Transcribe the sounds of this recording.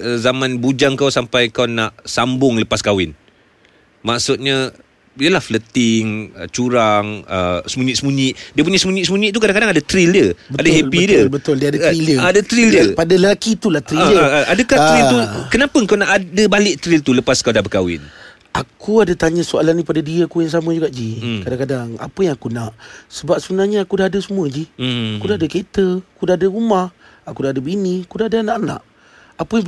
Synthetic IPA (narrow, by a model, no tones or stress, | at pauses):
əzamãnbud͡ʒaŋkawsampajkawnaʔsambʊŋləpaskawɪn | maʔsʊt̪̚ɲa | jəlahflət̪ɪŋə̰t͡ʃuɾaŋə̰səmũɲɪʔsəmũɲɪʔdiəp̬uɲasəmuɲiʔsəmũɲĩʔt̪ukadaŋkadaŋadat̪ɾildəadaɦeidiəbət̪ʊldiadailəadat̪ɾildəpadaləlakit̪ulat̪ɾiaʔadəkaht̪ɾilt̪ukənapəŋkawnaʔadəbalɪʔ̚t̪ɾilt̪uləpaskawdahbəka̰wɪ̰n | akuadat̪aɲasualanĩpadadiəakujaŋs̬aməd͡ʒuɡaʔd͡ʒikadaŋkadaŋa̰pəjaŋakunaʔsəbap̚səbənahɲaakudaɦadəsəmuəd͡ʒihakkudaɦadəket̪əakudaadəɾumah | akudaɦadəbiniakudaadaanaʔana̰ʔ | apəjaŋ